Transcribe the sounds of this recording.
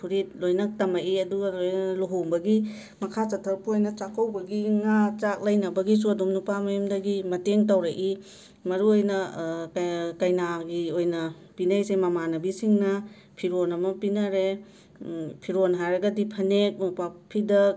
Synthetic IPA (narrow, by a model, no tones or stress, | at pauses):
pʰuɾit̚lojnɐk̚tɐmaʔiɐduɡɐlojluɦombɐɡi | mɐkʰat͡ʃɐtʰɐɾpuojnɐt͡ʃakʰawbɐɡiŋat͡ʃak̚lɐjnɐbɐɡis̬uɐdumnupamɐjumdɐɡimɐteŋtawɾɐʔi | mɐɾuojnɐ | kɐjnaɡiojnɐ | pinajsemɐmanɐbisiŋnɐ | pʰiɾonɐmɐpinɐɾe | pʰiɾonɦajɾɐɡɐdipʰɐnek̚nupapʰːidɐ